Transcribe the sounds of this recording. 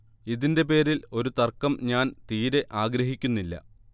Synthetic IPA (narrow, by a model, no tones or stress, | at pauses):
iðinde̞p̬e̞ːɾilo̞ɾut̪ɐrkɐmɲaːnt̪iːɾe̞ʔaːɡɾɐɦikʲːunːilːɐ̰